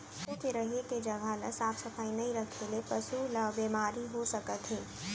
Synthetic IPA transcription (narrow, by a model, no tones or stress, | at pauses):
kuːt͡ʃɾəɦeked͡ʒɐɡʱalɐsaːpsɐfaːinɐɦĩɾəkʰelepɐsuləbbeːmaːɾiɦosɐkət̪ɦẽː